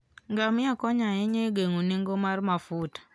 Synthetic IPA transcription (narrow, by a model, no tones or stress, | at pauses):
ŋɡamɪakɔɲaeɲeɡeŋuniŋɡomarmafut